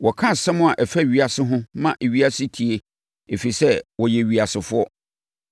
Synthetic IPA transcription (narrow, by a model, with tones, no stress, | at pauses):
wɔ˨kʰã˦sɛ̃˦mʊ̃˦a˨ʔɛ˨fɛ˦˨ɥi˨a˨sɪ˦ɦʊ̃˦mã˦ʔe˨ɥi˦a˦sɪ˦tʰi˨e˦ | e˨fi˨sɛ˦wɔ˨jɛ˨ɥi˨a˨sɪ˨fʊ˦ɔ˦